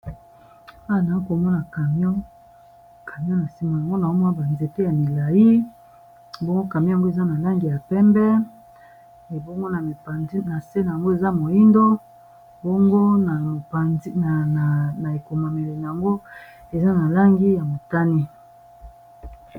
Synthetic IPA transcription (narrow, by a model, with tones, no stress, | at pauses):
a˦wa˨na˨i˦ko˨mɔ˦na˨ka˨m˦ɔ˦ | kʰa˨m˦ɔ˦na˨si˦mo˨ja˨ŋɡo˦na˨o˦mɔ˦a˨ba˨nze˨te˦ja˨mi˨la˨ji˦˨ | bo˦ŋɡo˦ka˨m˦˨ŋɡo˦e˨za˦na˨la˦ŋɡi˨ja˨pɛ˦mbɛ˦ | e˨bo˦ŋɡo˦na˨me˨a˨nzi˦na˨se˦na˨a˨ŋɡo˦e˨za˦mo˨i˦ndo˦ | bo˦ŋɡo˦na˨pa˨i˦na˨na˨na˨e˨ko˨ma˨me˨le˨na˨a˨ŋɡo˦ | e˨za˦na˨la˦ŋɡi˦ja˨mo˨ta˦ni˦